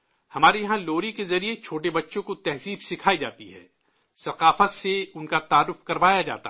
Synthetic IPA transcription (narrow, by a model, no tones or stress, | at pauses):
hɐmaːɾijɐɦãloːɾikezɐɾiet͡ʃʰoːʈebɐtːʃõkot̪ɛɦziːbsɪkʰaːid͡ʒaːt̪iɦɛ̰ː | sɐqaːfəseʊnkat̪aːɾːʊfkɐɾʋaːjad͡ʒa̰ːt̪a̰